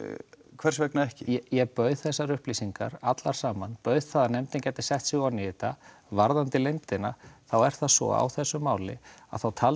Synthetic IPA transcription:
kʰvɛr̥svɛknaɛhcɪjɛjɛɣpœːɥð̥θɛsːaɾʏhplisiŋka̰ɾat̪laɾ̥saːmanpœɥðθaðanɛmt̪ɪncɛt̪ɪ̥sɛht̪siɣawnɪːt̪a | vaɾðant̪ɪlejmt̪ɪna̰θawɛɾ̥θaðsvɔ̰a̰wθɛsːʏmːaːwlɪ̰a̰ðθawt̪ʰaːl

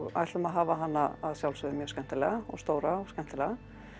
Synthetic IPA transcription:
ɣa̰jt̪ʏmaðɦaːvaɦanːaaðsjawlsʏðɪmjœːskɛnt̪ɪlɛːɣaɔ̰ɣst̪oːwɾaɔɣskɛnt̪ɪlɛːɣa

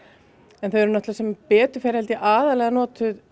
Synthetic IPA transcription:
ɛnθœɛɾʏnat̪lasɛmpɛːt̪ʏ̥fɛːɾhɛlt̪ɪʔaːðalɛɣanɔːt̪ʏð

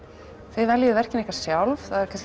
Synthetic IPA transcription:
θvɪðvɛljɪʏvɛr̥cɪnihkvaɾ̥sjawlvθaðɛɾ̥kʰɛ̥

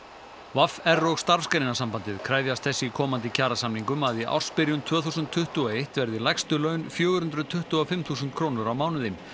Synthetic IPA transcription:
vafɛrːɔɣst̪aɾfskajɾnɪnasampant̪ɪðkʰɾaːjðjast̪̚θɛsːɪikʰɔːmant̪ɪcʰaːɾasamniŋkʏmaðiʔa̰wr̥spɪɾjʏnt̪ʰv̥œːθusʏnt̪ʰːʏht̪ʏɔejht̪vɛɾðɪlajkst̪ʏlœːɥnfjœːɣʏɾhʏnt̪ɾʏðt̪ʰʏht̪uɔfɪmθuːsʏnt̪̚kʰɾownʏɾawmaːwnʏðɪm

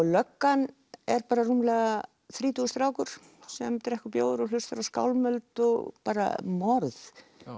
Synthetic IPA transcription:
lœkːan | ɛɾpaːɾarumlɛːɣa | θɾiːt̪uːst̪ɾaːwkʏɾ̥ | sɛmt̪ɾɛhkʏpjoːwðʏɾɔlʏst̪faɾawska̰ːwlmœlt̪ɔɣpaːɾa̰mɔɾð

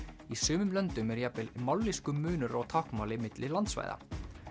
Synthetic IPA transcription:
isʏːmʏmlœnt̪ʏmɛɾjapɪlmawlliskʏmʏːnʏɾaɣt̪ʰahkmaːwlɪmɪt̪lɪlant̪sva̰ːjða̰

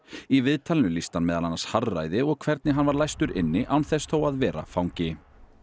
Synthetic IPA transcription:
ivɪðt̪ʰalɪnʏlist̪anmɛːðalanasharːa̰jðɪɔɣkʰvɛɾt̪nɪɦanvaɾlajst̪ʏɾɪnːɪʔawnθɛsθʰoːwaðvɛːɾa̰fawŋcɪ

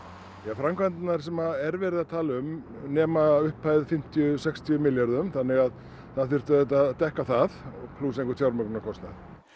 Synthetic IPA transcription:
jafɾamkvant̪naɾ̥sɛmaɛɾvɛːɾɪðat̪ʰaːlaʏm | nɛːmaʏhpːaːjðfɪm̥t̪ʰjʏsɛkst̪ʰiʏmɪljaɾðʏmθanːɪɣað | θaðθʏr̥t̪ʏɛt̪̬aðt̪ɛhkaθaðɔɣpʰluːsejŋkʏt̪ʰjawɾmœknnakʰɔst̪na̰θ

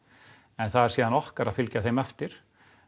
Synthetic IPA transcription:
ɛnθaðɛɾ̥siːðanɔhkaɾaðfɪlcaθejmɛft̪ɪɾ̥

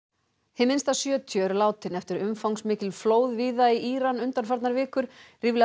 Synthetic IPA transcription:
hɪmɪnst̪asjœːt̪ʰjœɾlaːwt̪ɪnɛft̪ʏɾʏmfawŋsmɪːcɪlfloːwðviːðaiʔiːɾanʏnt̪anfaɾt̪naɾvɪːkʏɾ̥riːvl

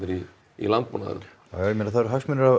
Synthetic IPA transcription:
ɾi | ḭlampuna̰ð̰ɾ | jjɛmɛnaθaðɛɾɦafsmɛnʏɾav

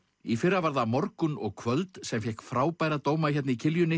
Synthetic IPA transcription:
ifɪrːavaɾðamɔɾkʏnɔɣkʰvœlt̪sɛmfjɛhkfɾaːwpaːjɾat̪oːwmaçɛt̪nɪicʰɪljʏnːɪ

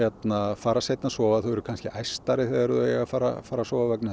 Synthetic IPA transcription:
ɛt̪nafaːɾasejt̪nasɔːvaθuwɛɾʏ̥kʰanscɪʔajst̪aɾɪθɛɣðaɛɾðʏɛɣafaːɾa̰faːɾasɔːvavɛknɪ

